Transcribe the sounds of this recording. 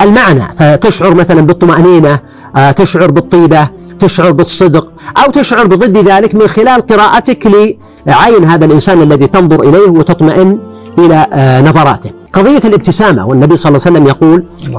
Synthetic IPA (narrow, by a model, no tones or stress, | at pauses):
ʔalmaʕna̰fat̪ɪʃʕʊɾmaθalanbɨt̪ˤːʊmaʔniːna | t̪ɪʃʕʊɾbɨt̪ˤːiːba | t̪ɪʃʕʊɾˤbɨsˤːɨd̪q | ʔawt̪ɪʃʕʊɾˤbɨðˤɨd̪ːðaːlɪkmɪnxɪlaːlqɨɾaːʔat̪akliː | ʕajɪnɦaːðalʔɪnsaːnalːaðit̪ɑnðˤʊɾʔɪleːhwɪt̪ɨt̪ˤmaʔɪnːʔɪlanɑðˤɑɾˤɑ̰ːt̪ɪ | qɑðˤɨjːalʔɪb̚t̪ɪsaːma̰wɪnːabijsˤɑlːsalːamjɑquːl